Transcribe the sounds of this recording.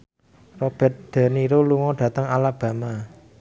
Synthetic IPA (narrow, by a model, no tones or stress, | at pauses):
rɔb̥ɛ̤t̪̚d̪̥a̤niɾuluŋɔɖ̥ä̤t̪əŋalab̥ä̤ma